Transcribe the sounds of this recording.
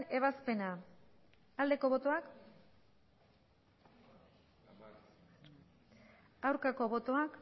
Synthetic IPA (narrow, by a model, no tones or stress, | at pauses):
e̞β̞aspe̞na | ald̪e̞ko̞βo̞t̪o̞ak | awɾkako̞βo̞t̪o̞ak